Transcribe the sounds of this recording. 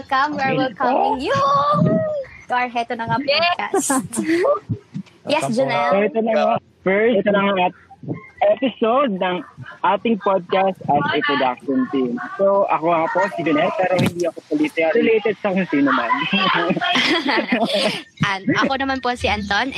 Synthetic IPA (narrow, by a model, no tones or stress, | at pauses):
lkɐmwɛɹwɪlkʰɐɪŋju | t̪oɐɹɦɛt̪onɐŋapɔd̪ka̰s | jɛsd͡ʒɛnɛoɪt̪onɐŋa | fɛɹsɛt̪onɐŋaɐt̪̚ʔɛpɪsowd̪̚nɐŋʔaːt̪ɪŋpad̪̚kast̪ʔɐsʔɛpɾod̪akʃɔnt̪imsowʔɐkohaːposɪd͡ʒɐnɛt̪̚pɛːɾohɪnd̪iɐkopɐlit̪ɪaɛlejt̪ɛd̪̚sɐkompinɐman | ʔɐnʔɐkonɐmanposiʔɐnt̪on